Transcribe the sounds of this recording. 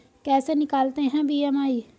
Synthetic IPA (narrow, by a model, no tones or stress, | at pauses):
kɛːseːnɪkaːlt̪eːɦɛ̃ːbiːɛːmaːiː